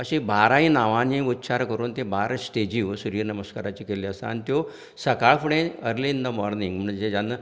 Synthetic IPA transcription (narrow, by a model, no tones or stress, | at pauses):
əɕĩbʱaɾaĩnaʋãnĩut̪ːɕaɾkəɾuːnt̪ebaɾsʈed͡ʑiːʋsuɾiːɾnəməskaɾat͡ɕiːkeliəst̪a̰ːnit̪jo | səkaɭfuɽẽəɾlind̪əmɔɾnĩŋɡm̤uɳd͡ʑed͡ʑanːə